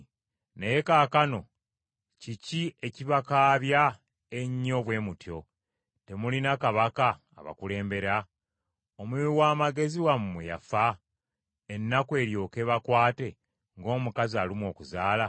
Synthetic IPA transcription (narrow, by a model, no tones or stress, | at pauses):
nejekaːkano̞ | cicie̞ciβakaːβja | eɲːo̞βwe̞ːmutjo̞ | te̞mulinakaβaka̰ː | βa̰kule̞ːmbe̞ɾa | omwuwaːmaɡe̞ziwamːeja̰fa | enːakwe̞ːɾjo̞ːke̞βakwaːte̞ | ŋɡo̞ːmukaziaːlimwo̞ːkuzaːla